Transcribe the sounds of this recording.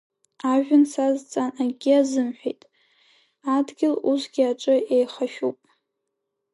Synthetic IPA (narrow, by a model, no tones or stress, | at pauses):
aʒᶣʊnsazt͡sʼanaɡʲiazɨmħʷᶣejtʼ | adɡʲɪlusɡʲaʈ͡ʂʼɨejχaʃᶣupʼ